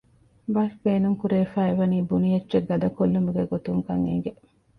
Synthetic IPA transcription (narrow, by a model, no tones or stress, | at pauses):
bɐʃbeːnuŋkuɾeːfæːeʋɐniːbunijɐtːt͡ʃeɡɐd̪ɐkolːumuɡeɡot̪uŋkɐŋḛŋ̆ɡe